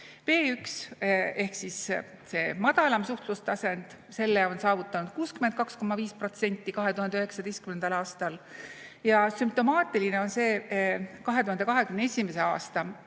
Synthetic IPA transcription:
pe̞ːykse̞hksis | se̞ːmɑd̪̥ɑlɑmsuht̪lust̪ɑsend̪̥ | se̞lːeo̞nsɑːvut̪ːˑɑnud̪̥̚kuːskymed̪̥̚kɑksko̞mɑviːspro̞t̪se̞nʲt̪ˑːikɑɦe̞t̪uhɑneyɦeksɑd̪ejst̪kymend̪̥ɑlɑːst̪ɑljɑsymp̚t̪o̞mɑːt̪ːˑiline̞o̞nse̞ːkɑɦe̞t̪uhɑnd̪ekɑɦe̞kymneesʲime̞se̞ɑ̰ːst̪ɑ

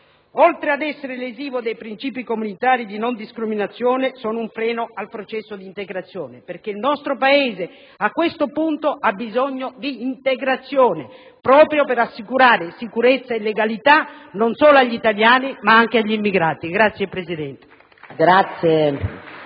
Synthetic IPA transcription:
ɔlt̪ɾead̪ɛsːeɾeleziːvod̪ejpɾint͡ʃiːpikomunit̪aːɾid̪inond̪iskɾiminat̪sːjɔːnesɔːnʊuɱfɾɛːnoalpɾot͡ʃɛsːod̪iːnt̪eɡɾat̪sːjɔːneperk̟eilnɔst̪ɾopaeːze | akːwest̪opunt̪oʔabːizɔɲːod̪iːnt̪eɡɾat̪sːjɔːne | pɾɔːpɾjopeɾasːikuɾaːɾesikuɾet̪sːaelːeɡalit̪anonsɔːloaʎːit̪aljaːnimaaŋk̟eaʎːimːiɡɾaːt̪iɡɾat̪sjepɾesid̪ɛnt̪e̥ | ɡɾat̪sːje

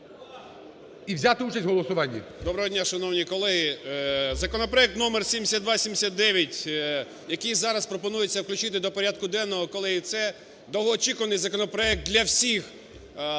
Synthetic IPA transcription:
iwzʲat̪ɪut͡ʃɐsʲtʲɦɔlˠɔsʊʋɑnʲːḭd̪ɔbɾɐɦɔdʲnʲaʃɐnɔwnʲikɔlˠɛɦizɐkɔnɔpɾɔɛk̚t̪nɔmersʲimʲesʲad̪ʋasʲimd̪ʲesʲat̪̚d̪ɛʋʲjɐtʲ | jɐkijzɑɾɐspɾɔpɔnujet͡sʲːɐwklʲʉt͡ʃɪt̪ɪd̪ɔpɔɾʲad̪kʊd̪ɛnːɔɦɔkɔlˠɪt̪sɛ | d̪ɔɦɔːt͡ʃikʊʋɐnɪjzɐkɔnɔpɾɔɛk̚t̪d̪ʲlʲɐwsʲix

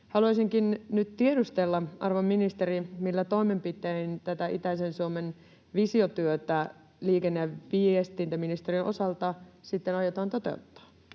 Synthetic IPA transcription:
hɑluɑjsiŋkinnyt̪t̪iedust̪elːɑɑ̰rʋomːinist̪eɾimilːæt̪o̞imempit̪eint̪æt̪æʔit̪æisensuomen | ʋisiot̪yøt̪æ | liːkenːeæʋiest̪ːˑiːnt̪æmːinist̪erinʔo̞sɑlt̪ɑsit̪ːenɑjot̪ɑːnt̪o̞t̪e̞̰ut̪ːɑ̥ː

